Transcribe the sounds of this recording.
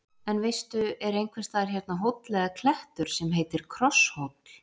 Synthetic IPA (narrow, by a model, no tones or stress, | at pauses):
ɛnvejst̪ʏɛɾejŋkʰvɛst̪ʰaːðɾ̥çjɛɾ̥t̪naɦowt̪lɛɣakʰlɛht̪ʏɾ̥sɛmɦejt̪ɪɾ̥kʰɾɔshowt̪nɪ